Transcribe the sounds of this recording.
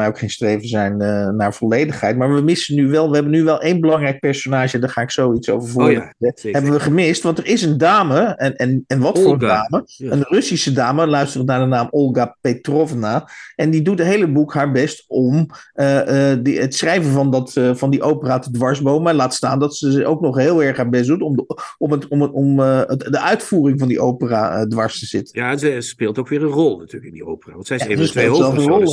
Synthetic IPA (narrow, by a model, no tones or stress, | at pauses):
mɛjowkχejnstrejvənzɛjnnaːɹv̥ɔlejdəχɦɛjt̚maːɹʋəmɪsənːyʋɛlˠʋəɦɛbənyʋɛlˠʔejnbəlɑŋrɛjk̚pɛɹsonaːʒəɛndaːɹχaːɪksowitso̰wvəɹvʊːɹɦɛbənʋəχəmɪstʋɑntəɹɪsəndaːməɛnɛnɛnʋɑtfʊːrəədaːməənrɵsisədaːməlœɥstərtnaːɹdənaːmɔlˠɡapetrɔvnaʔɛndidutətɦejləbukɦaːɹbɛstɔm | dətsrɛjvənvɑndɑtvɑndiʔowpəraːtədʋɑɹzbowmalaːtstaːndɑtsəzowknɔχɦeːlˠɛɹχɦaːɹbɛs̬dutɔmmtmdəʔœɥtfuːrɪŋvɑndiʔowpəra̰ːədʋɑɹstəz̥ɪtə̥njaɛspɪːlˠtowkʋɪːɹənrɔlˠnatyːləkɪndiowpəra̰ːʋɑntsɛjezəsteːlzɛlˠffərɔlˠ